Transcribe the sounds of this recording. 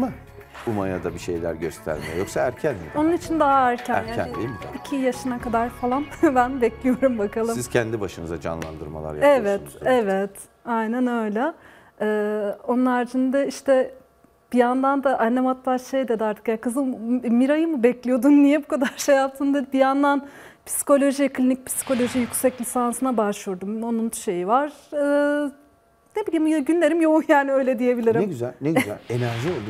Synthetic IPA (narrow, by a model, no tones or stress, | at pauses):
ma | umajad̪abiʃe̞̰jlʲæ̰ɾɟø̰st̪ʰæ̰ɾmɛ̰jo̞ksaæɾcʰænmio̞nunit͡ʃʰind̪aɦaæɾcʰæ̰jjaːniejmid̪icʰijaʃɯnakad̪aɾfalˠanbænbɛclʲijo̞ɾumbakʰalˠɯmsizcʰɛnd̪ibaʃɯnɯzad͡ʒa̰nlˠa̰nd̪ɯɾma̰lˠa̰ɾjaevɛt̪ɛvɛt̪ | ajnænø̞jlʲɛ | ɛːo̞nunˠaɾd͡ʒʰɯnd̪aiʃt̪ʰɛ | b̥ijand̪and̪aʔanːemat̪lˠaʃejd̪ɛd̪iaɾt̪ʰɯ̥kjakʰɯzɯmmiɾajɯmɯbɛclʲijo̞d̪unnijɛbukʰad̪aɾʃejat̪ʰɯnd̪ad̪ibijand̪an | pʰi̥si̥ko̞lʲo̞ʒivɛklʲinic̚pʰi̥si̥kʰo̞lʲo̞ʒijycsɛclʲisansɯnabaʃlˠuɾd̪umo̞nunʃe̞jivaɾ̥ɯː | nebilʲimujaɟynlʲeɾimjo̞unjaːniø̞jlʲɛd̪ije̞bilʲiɾimyzæ̰lneæ̰enæɾʒio